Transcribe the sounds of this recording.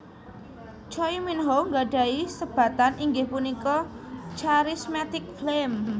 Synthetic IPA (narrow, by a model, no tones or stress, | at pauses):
t͡ʃɔjminɦoŋɡaɖ̥a̤isəb̥a̤t̪anʔiŋɡehpunikɔt͡ʃaɾismat̪ɪk̚flem